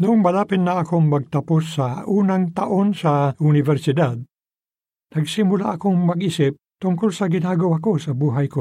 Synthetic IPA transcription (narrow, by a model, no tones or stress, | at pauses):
nʊŋbalapɪnːaːkoŋmaɡ̚t̪apʊsːauːnaŋt̪aʔonsaʊnɪvɛɾsɪd̪ad̪̚ | naɡsɪmula̰ʔakoŋmɐɡisɪp̚t̪ʊŋkʊlsaɡɪnaɡowakosabuɦajko